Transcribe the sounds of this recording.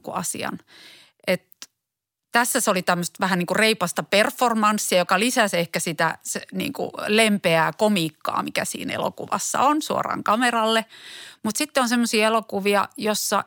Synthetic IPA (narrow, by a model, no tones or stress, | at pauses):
kuɑsḭɑ̰n | ʔet̪ | t̪æsːæseolit̪æmːøst̪ʋæhænniːŋkureipɑst̪ɑperformɑnsːiɑjokɑlisæsehkæsit̪æ̰senḭːŋkṵlempeækomiːkːɑ̰ːmikæ̰sḭːnḛlo̰kṵʋɑ̰sːɑ̰onsuo̰rɑ̰ːŋkɑmerɑlːemut̪sit̪ːeonsemːosiːelokuʋiɑ̰josːɑ̰